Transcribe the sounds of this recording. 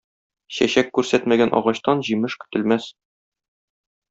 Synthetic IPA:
ɕæɕækːʉɾsæt̪mæɡænʔɒ̰ʁɑɕt̪ɑnʑimɘʃkɵ̥̆t̪ɘ̆lmæs

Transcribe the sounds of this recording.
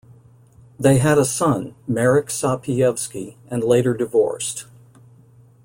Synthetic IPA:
ðeɪɨɾəsʌ̃nmɛɹɨksɑpʰiɛv̥skiɨ̃nleɪɾə˞dɨvɔ̰ɹst

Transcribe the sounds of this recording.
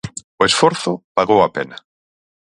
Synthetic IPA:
ʊesfoɾθʊpaɣowapena

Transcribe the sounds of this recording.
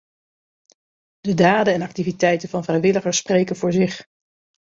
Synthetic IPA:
d̥ədaːdənɛnɑk̚tivitɛjtənvɑnvrɛjʋɪləχəɹsprejkənvʊːɹzɪχ

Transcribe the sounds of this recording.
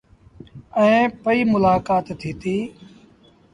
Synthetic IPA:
ɛ̃ːpəiːmʊlaːkaːt̪t̪ʰːiːt̪iː

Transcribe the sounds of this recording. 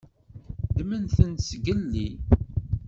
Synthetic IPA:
d̪mənθənsɡəlːi

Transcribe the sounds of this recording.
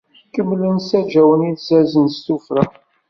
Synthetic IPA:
kəmːlənsæd͡ʒæwəniðzæzənst̪ufɾa

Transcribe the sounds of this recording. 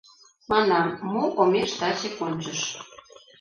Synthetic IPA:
mɑnɑmːuʔomeʃt̪ɑt͡ɕekonʲt͡ɕəʃ

